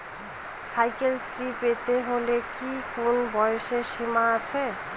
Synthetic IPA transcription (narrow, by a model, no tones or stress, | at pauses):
sajkelsɾipet̪eɦolekikonbʌjsesimat͡sʰe